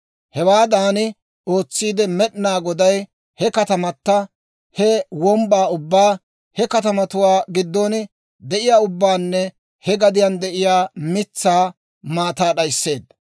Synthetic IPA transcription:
hɛwaːd̪aːnɪ | o̞ːt͡sːiːd̪ɛmɛɗnaːɡɔd̪ɐj | hɛkɐt̪ɐmɐt̪ːɐ | hɛwɔmbaːʊbːaː | hɛkɐt̪ɐmɐt̪ʊwaːɡɪd̪ːon | d̪ɛʔɪjaːʊbːaːnːɛ | hɛɡɐd̪ɪjand̪ɛʔɪjaːmɪt͡sːaː | maːt̪aːɗɐjsːe̞ːd̪

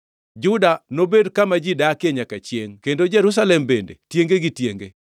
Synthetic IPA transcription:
d͡ʒʊdanobedkamad͡ʒidakɪeɲakat͡ʃjeŋkendod͡ʒɛɾus̬alɛmbendḛtjeŋɡeɡitjeŋɡḛ

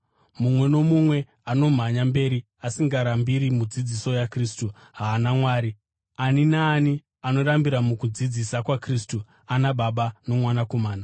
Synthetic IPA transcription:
mumwe̞no̞mumwe̞ | ano̞m̤aɲambe̞ːɾi | asiŋɡaɾambiɾimud͡zid͡ziso̞jakristu | ɦaːnamwaːɾi | aninaːni | ano̞ɾambiɾamukud͡zid͡zisakwakristu | anaɓaɓano̞mwanako̞maːna

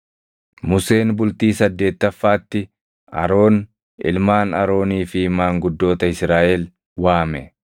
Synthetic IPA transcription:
mʊse̞ːnbʊlt̪iːsɐd̪ːe̞ːt̪ːɐfːaːt̪ːɪ | ɐ̰ɾo̞ːn | ɪ̰lmaːnɐɾo̞ːniːfɪmaːŋɡʊd̪ːo̞ːt̪ɐɪsɾaːʔɛl | waːmɛ

